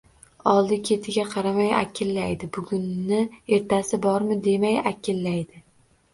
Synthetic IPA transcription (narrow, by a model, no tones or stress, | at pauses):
ɒlˠd̪ɪkʲʰe̞t̪ʰɪɡʲaqʰɑɾamaja̰kʲʰɪlːajd̪ɪbʊɡʲʊnːɪe̞ɾt̪ʰasɪbɒɾmɪd̪e̞majakʲɪlːajd̪ɪ